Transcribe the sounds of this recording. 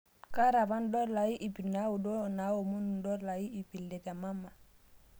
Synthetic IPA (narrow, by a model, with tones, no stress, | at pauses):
ka˦ɾa˨fa˦ndɔ˦la˨ji˦ʔi˨pi˨na˦wu˨dɔ˦na˨˦wo˨mu˦nndɔ˦la˨ji˦i˨pi˨ldɛ˨ta˨ma˦mːa˨